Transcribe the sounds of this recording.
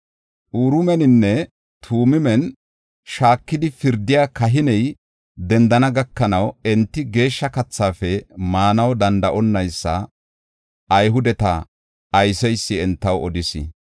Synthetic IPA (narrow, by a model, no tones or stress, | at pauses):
ʔuːɾʊmɛnɪnːɛ | t̪ʰuːmɪmɛn | ʃaːkːɪd̪ɪfɪɾd̪ːɪjaːkɐɦɪnɛj | d̪ɛnd̪ɐnɐɡɐkːɐnɐwɛnt̪ːɪɡe̞ːʃːɐkɐt͡sːaːfɛmaːnɐwd̪ɐnd̪ɐʔɔnːɐjsːɐ̰ | ʔɐjɦʊd̪ɛt̪ɐ̰ | ɐjsɛjsːɪɛnt̪ːɐwɔd̪ɪsɪ̰